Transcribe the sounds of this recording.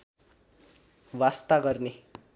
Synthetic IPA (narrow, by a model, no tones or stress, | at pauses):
wast̪aɡʌrne